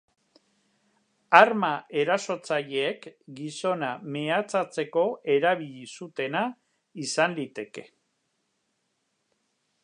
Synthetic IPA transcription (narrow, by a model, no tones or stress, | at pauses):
aɾmae̞ɾaso̞t͡saʎeːkɡiso̞nameat͡sat͡se̞ko̞e̞ɾaβiʎisut̪e̞na | isanlit̪e̞ke̞̥